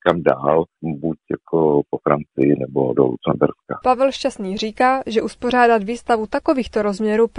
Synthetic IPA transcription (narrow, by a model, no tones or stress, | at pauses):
kamdaːlbucjakʰopofɾant͡sɪjɪnɛbodo̰lṵt͡sɛmbɛ̰ɾskapavɛlʃcast̪niːr̝iːkaːʒɛʔuspo̞r̝aːdat̪viːst̪avut̪ako̞viːxt̪oɾozmɲɛɾuːp